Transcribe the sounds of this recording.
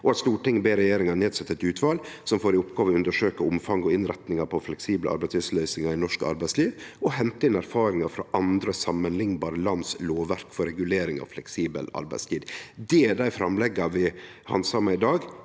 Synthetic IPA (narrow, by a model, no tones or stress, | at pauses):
ʔɔɑt̪st̪uːʈɪŋbeːɾɛjeːɾɪŋɑneːd̪sɛt̪ːəɛt̪ʉːt̪ʰʋɑːlsɔmfoːɾɪʊpɡɑːʋʉnd̪əʂøːkəʊmfɑŋɔɪnɾɛt̪nɪŋɑpʰɔflɛksiːblə̰ʔɑ̰ɾbæɪtsslœʏsɪŋɑɾɪnɔʂkɑ̰ɾbæɪsliːʋɔhɛnt̪əɪnæɾfɑːɾɪŋɑfɾɑʔɑnd̪ɾəsɑmːənlɪŋnbɑːɾəlɑnsloːʋʋæɾkfɔɾɛɡʉleːɾɪŋɑ̰ʋflɛksiːbə̰lɑ̰ɾbæ̰ɪst̪ʰiːd̪d̪ɛæɖæɪfɾɑmlɛɡɑʋɪ | hɑ̰nsɑːmæɪd̪ɑːɡ